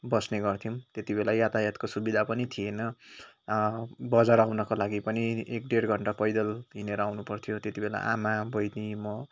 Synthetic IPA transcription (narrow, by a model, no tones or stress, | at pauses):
bʌsneɡʌrt̪ʰimt̪et̪ibelajat̪ajʌt̪kosubid̪ʱapʌnit̪ʰienʌ | bʌd͡zaɾawnʌkolaɡipʌniek̚ɖeɽɡʱʌɳʈapʌjd̪ʌlɦineɾʌawnupʌrt̪ʰijot̪et̪ibela̰ʔamabʌjnimʌ